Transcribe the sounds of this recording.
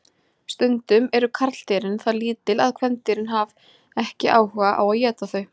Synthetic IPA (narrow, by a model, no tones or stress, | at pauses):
st̪ʏnt̪ʏmɛɾʏkʰaɾt̪l̥t̪eːɾɪnθaliːt̪ɪlaðkʰvɛnt̪ɪɾɪnɦav | ɛhcɪʔaːwhœːɣaʔa̰waðjɛːt̪aθœɥ